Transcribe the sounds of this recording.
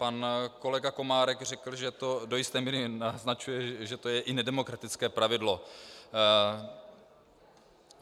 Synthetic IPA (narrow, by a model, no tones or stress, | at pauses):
panko̞lɛɡako̞maːɾɛkr̝ɛkl̩ʒɛt̪o̞dojɪst̪ɛːmiːɾɪnaznat͡ʃujɛʒɛt̪o̞jɛʔɪnɛdɛmo̞kɾat̪ɪt͡skɛːpɾavɪdlo̞